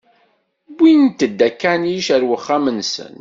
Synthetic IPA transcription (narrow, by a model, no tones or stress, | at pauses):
bint̪ːəd̪ːækːæniʃæɾwəχːamənsə̰n